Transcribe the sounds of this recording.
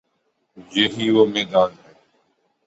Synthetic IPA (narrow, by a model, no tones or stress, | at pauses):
jeɦiːʋoːmeːd̪aːnɦɛː